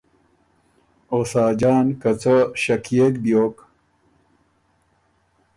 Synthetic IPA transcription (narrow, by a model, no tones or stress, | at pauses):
oːsaːd͡ʑaːnkɐt͡sɐɕɐkʰjekb̪joːk